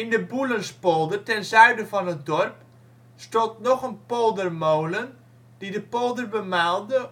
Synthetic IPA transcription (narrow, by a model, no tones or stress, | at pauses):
ɪndəbulənspolˠdərtɛnzœɥdəvɑnət̚dɔrp | stɔntnɔχənpolˠdərmowlən | d̥idəpolˠdərbəmaːlˠdə